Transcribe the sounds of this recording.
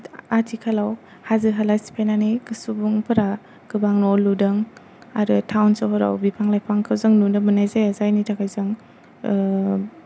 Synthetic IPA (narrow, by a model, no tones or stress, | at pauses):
atʰikʰalaw | hazɯɦalajsi̥pʰajnanikɯsubuŋpʰɯɾa | ɡ̥ɯbaŋnɔludɯŋ | aɾɯtʰawnsaɦɔɾa̰wbipʰaŋlajpʰaŋkʰawzɯŋnundɯmɯnajzajazajnitʰakʰajzɯŋ